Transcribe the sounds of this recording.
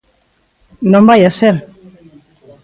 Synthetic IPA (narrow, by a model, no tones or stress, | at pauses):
nɔmbajasɛl